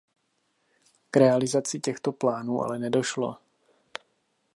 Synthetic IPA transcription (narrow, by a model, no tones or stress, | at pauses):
kɾɛalɪzat͡sɪcɛxt̪o̞plaːnuːʔa̰lɛnɛdo̞ʃlo̞̰